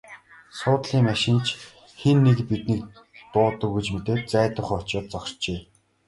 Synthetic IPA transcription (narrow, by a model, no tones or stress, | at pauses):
sʊːt̪ɮiːŋmaʃɪ̆nt͡ɕʰ | xenːekpit̪niːk̚ | t̪ʊːt̪ə̆kɣujt͡ɕmet̪eːt̪̚t͡sæːt̪ə̆χɔt͡ɕɔːt̪̚t͡sɔkrt͡ɕeː